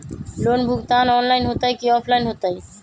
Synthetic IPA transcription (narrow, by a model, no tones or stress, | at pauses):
lonbʱuɡt̪anɔnlaɪnɦot̪ajkiɔpʰlainɦot̪aj